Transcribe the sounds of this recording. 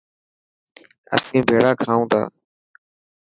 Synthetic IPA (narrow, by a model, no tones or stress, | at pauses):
ə̰snĩːbʱeːɽaːkʰaːũːt̪a̰ː